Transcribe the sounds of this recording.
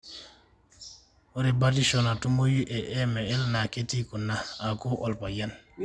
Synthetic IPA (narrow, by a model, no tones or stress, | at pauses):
ɔɾibadiʃɔnatumojuʔɛʔɛmɛɛlnaketikunaakuʔɔlpajan